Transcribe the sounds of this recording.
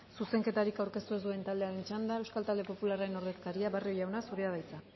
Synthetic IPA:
suse̞ŋke̞t̪aɾikawɾke̞st̪ue̞zd̪ue̞nt̪ald̪e̞aɾe̞nt͡ʃand̪ae̞wskalt̪ald̪e̞po̞pulaɾaɾe̞no̞ɾðe̞skaɾiaβario̞jawnasuɾeað̞ajt͡sa

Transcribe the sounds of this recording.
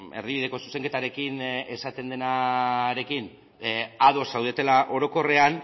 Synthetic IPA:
e̞̰ɾðiβiðe̞ko̞su̥seŋke̞t̪aɾekine̞sat̪e̞nd̪e̞naɾe̞kin | aðo̞sːawðe̞t̪e̞laʔo̞ɾo̞ko̞re̞an

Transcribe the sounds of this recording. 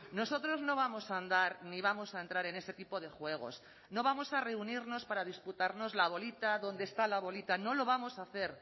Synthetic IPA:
no̞so̞t̪ɾo̞zno̞β̞amo̞sand̪aɾniβ̞amo̞saent̪ɾaɾe̞ne̞se̞t̪ipo̞ð̞e̞xwe̞ɣ̞o̞̰s | no̞β̞amo̞sare̞uniɾno̞spaɾað̞isput̪aɾno̞zlaβ̞o̞lit̪aðo̞nd̪est̪alaβo̞lit̪ano̞lo̞β̞amo̞saθe̞ɾ

